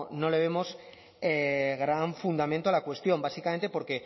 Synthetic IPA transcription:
no̞le̞β̞e̞mo̞s | eɣɾaɱfund̪ament̪oalakwe̞st̪jo̞mbasikament̪epo̞ɾke̞

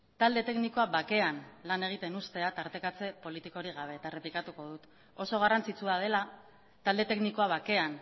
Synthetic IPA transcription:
t̪ald̪e̞t̪e̞kniko̞aβake̞anlane̞ɣ̞it̪e̞nust̪e̞at̪aɾt̪e̞kat͡se̞po̞lit̪iko̞ɾiɣ̞aβ̞e̞ːt̪are̞plikat̪uko̞ð̞ut̪ | o̞so̞ɣ̞arant͡sit͡suað̞e̞la | t̪ald̪e̞t̪e̞kniko̞aβ̞ake̞an

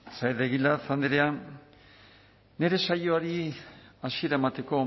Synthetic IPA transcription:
sajɾðeɣilat͡sand̪eɾean | e̞ɾe̞sajoaɾiasie̞ɾaemat̪e̞ko̞

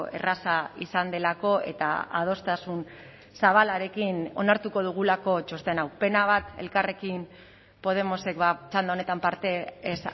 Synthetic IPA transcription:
e̞̰rasaisand̪e̞lako̞e̞̰t̪a̰a̰ð̞o̞st̪asun | saβ̞alaɾe̞kino̞̰naɾt̪uko̞ð̞uɣ̞ulako̞t͡ʃo̞st̪enawpe̞naβ̞at̪e̞̰lkare̞kim | po̞ðe̞mo̞se̞kβat͡ʃand̪aone̞t̪ampaɾt̪e̞ːs

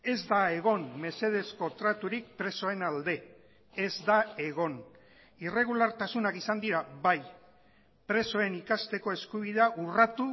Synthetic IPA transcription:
e̞zd̪ae̞ɣ̞o̞nme̞se̞ð̞e̞sko̞t̪ɾat̪uɾik̚pɾe̞so̞e̞nald̪e̞ː | zd̪ae̞ɣ̞o̞n | ire̞ɣ̞ulaɾt̪asunakisand̪iɾaβaj | pɾe̞so̞e̞nikast̪e̞ko̞e̞skuβ̞ið̞e̞aʔurat̪u

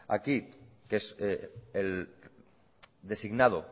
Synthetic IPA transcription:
a̰kikeseel | d̪e̞siɣnaðo

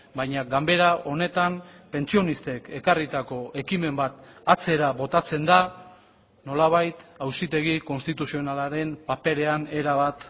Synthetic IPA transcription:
bajɲaɡambe̞ɾao̞ne̞t̪ampe̞nt͡sio̞nist̪e̞ke̞karit̪ako̞ʔe̞kime̞mbat̪at͡se̞ɾaβo̞t̪at͡se̞nd̪a | no̞laβ̞ajt̪awsit̪e̞ɣ̞iko̞nst̪it̪usio̞nalaɾe̞mpape̞ɾe̞ane̞ɾaβat̪

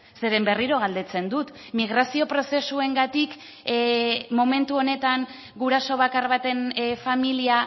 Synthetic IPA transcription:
se̞ɾe̞mbe̞riɾo̞ɣald̪e̞t͡se̞nd̪ut̪ | miɣ̞ɾasio̞pɾo̞se̞sue̞ŋɡat̪ik | mo̞mẽ̞nt̪uo̞ne̞t̪aŋ | ɡuɾaso̞β̞akarβat̪e̞nfamilia

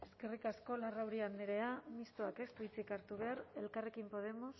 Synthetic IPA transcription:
e̞ske̞rikasko̞larawɾiand̪eɾe̞amist̪oake̞st̪it͡sikaɾt̪uβ̞e̞aɾe̞lkare̞kimpo̞ð̞e̞mo̞s

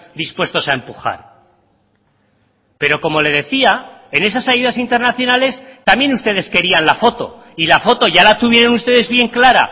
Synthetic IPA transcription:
d̪ispwe̞st̪o̞sae̞mpuxa̰ɾ | pe̞ɾo̞ko̞mo̞le̞ðe̞θia | e̞ne̞s̬asajuðasint̪e̞ɾnaθjo̞nale̞st̪amje̞nust̪e̞ð̞e̞ske̞ɾianlafo̞t̪o̞̰ | ilafo̞t̪o̞ʝalat̪uβ̞je̞ɾo̞nust̪e̞ðe̞zβje̞ŋklaɾa̰

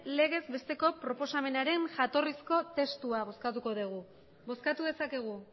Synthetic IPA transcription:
le̞ɣ̞e̞zbe̞st̪e̞ko̞pɾo̞po̞same̞naɾe̞nʝat̪o̞risko̞t̪e̞st̪uaβo̞skat̪uko̞ðeɣ̞u | bo̞skat̪uðe̞sake̞ɣ̞u

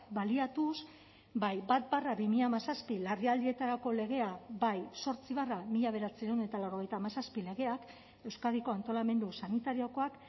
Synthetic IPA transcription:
baliat̪us | bajbat̪̚baraβimiʎamasaspilariald̪ie̞t̪aɾako̞le̞ɣ̞e̞abajso̞ɾt͡siβaramiʎaβe̞ɾat͡siɾewnet̪alawɾo̞ɣ̞ejt̪amasaspile̞ɣe̞ak | e̞wskaðiko̞ant̪o̞lame̞nd̪usanit̪aɾio̞ko̞ak

